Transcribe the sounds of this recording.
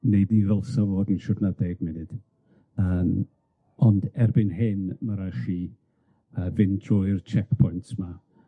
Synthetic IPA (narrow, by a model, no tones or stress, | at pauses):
nejdnivɛlˠsɔvoːdən̩ʃɔdnadɛɡmɛnɨd̥ | əːm | ɔndɛrbɪnɦɪnmaɾaχi | əːvɪndrɔɨjrt͡ʃʰɛkpʰɔjntma